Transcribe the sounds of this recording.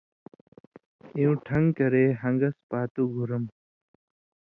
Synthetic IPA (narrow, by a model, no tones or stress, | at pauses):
iũʈʰɐŋɡkɐɾeːɦɐŋɡɐspaːt̪uɡʱuɾɐm